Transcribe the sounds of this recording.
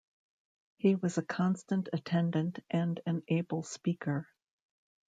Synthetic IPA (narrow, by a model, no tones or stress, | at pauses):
hiwʌzɨkʰɑ̃nstɨ̃ntɨtʰɛ̃ndɨ̃ntʔɨ̃nɨ̃neɪbl̩ˠspikʰə˞